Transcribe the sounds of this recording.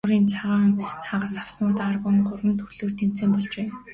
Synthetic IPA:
ʊɾiːnt͡sʰaʁaːŋaʁə̆saw̥t̪nʊːt̪arpə̆ŋɢʊrwə̆nt̪ʰɵrɮoːrt̪ʰem̥t͡seːmpɔɮt͡ɕpæːn

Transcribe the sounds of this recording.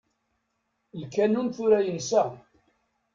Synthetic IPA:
lkːænunθuɾæjənsæ

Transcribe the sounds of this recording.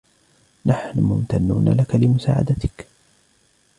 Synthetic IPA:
naħnʊmʊmt̪anːuːna̰lakalɪmʊsa̰ːʕa̰d̪at̪ɪ̥k

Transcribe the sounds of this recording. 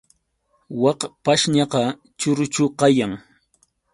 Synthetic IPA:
wɑqpaʃɲɑqɑ | t͡ʃʊɾʊt͡ʃʊqɑjaŋ

